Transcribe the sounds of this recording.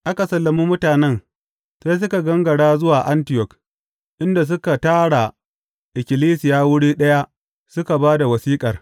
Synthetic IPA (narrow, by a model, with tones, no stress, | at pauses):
ʔa˦ka˨sɐ˨lːɐ˨miː˦mʊ˦taː˨nɛ˦ŋ | sa˦s̬ʊ˦ka˨ɡɐ˦ŋɡɐ˨ɽaː˦zʊ˦waː˨ʔa˦ntɪ˨jɔ˨k | ʔɪ˦nda˨s̬ʊ˦ka˨taː˦ɽa˨ | ʔɪ˨kʲɪ˨liː˦sɪ˨jaː˦wʊ˦ɽiː˦ɗɐ˦ja˦ | sʊ˦ka˨baː˦da˨wɐ˨siː˦kʼɐ˨r